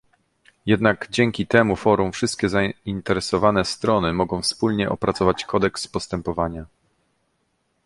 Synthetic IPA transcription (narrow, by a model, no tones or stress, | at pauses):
jɛd̪naɡd͡ʑɛŋkʲit̪ɛmufɔɾumfʂɘst̪̚kʲɛzaint̪ɛɾɛsɔvanɛst̪ɾɔnɘmɔɡɔ̃w̃fspulɲɛʔɔpɾat̪sɔvat͡ɕkɔd̪ɛkspɔst̪ɛmpɔvaɲa